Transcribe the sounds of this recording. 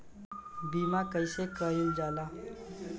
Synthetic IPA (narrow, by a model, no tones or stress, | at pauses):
biːmakəjsekəjild͡zala